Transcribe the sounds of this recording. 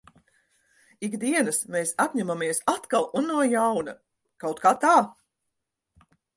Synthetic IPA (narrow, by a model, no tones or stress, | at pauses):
iɡd̪iɛnɐsmeːsapʲɲamamiɛsat̪kalˠunːuɔjawnɐ | kawt̪̚kaːt̪aː